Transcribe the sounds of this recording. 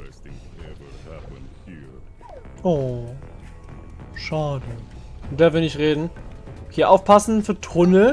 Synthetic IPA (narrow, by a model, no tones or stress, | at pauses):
ŋ | n | ʔoː | ʃaːdəʊnd̥aːɐvɪɐnɪçtʁeːdn̩hiːɐʔaʊfpʰasn̩fyːɐtʁʊnə